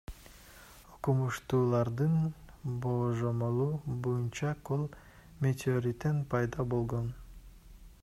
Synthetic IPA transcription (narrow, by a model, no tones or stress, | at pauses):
oqumuʃt̪uːlˠɑɾd̪ɯnboːʒomolˠuːbojunt͡ʃɑqolˠ | mʲet̪ʰʲeoɾʲit̪enpʰɑjd̪ɑbo̞lˠʁo̞n